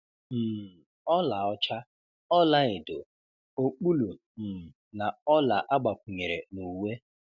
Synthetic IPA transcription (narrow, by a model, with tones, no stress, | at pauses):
m̩˨ | ɔ˦la˨ɔ˦t͡ʃa˦ | ɔ˦la˦ɪ˨do˨ | o˦k͡pu˦lu˨ | na˨ɔ˦la˨ʔa˦ɡ͡ba˨kʷu˨ɲe˨ɾe˨nu˨we˦